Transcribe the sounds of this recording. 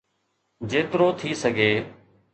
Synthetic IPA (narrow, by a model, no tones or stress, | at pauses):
d͡ʒeːt̪ɾoːt̪ʰiːsəɡʱeː